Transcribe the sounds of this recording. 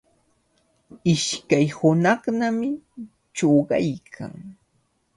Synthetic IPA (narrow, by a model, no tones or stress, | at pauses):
ɪʃkajhʊnɑχnamɪ | t͡ʃoɢɑ̰jkʰa̰ŋ